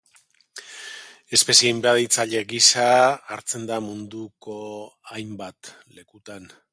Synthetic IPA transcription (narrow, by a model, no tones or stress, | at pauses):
e̞spe̞siejmbeaðit͡saʎe̞ɡisaːɾt͡se̞nd̪amund̪uko̞ajmbat̪ | le̞kut̪an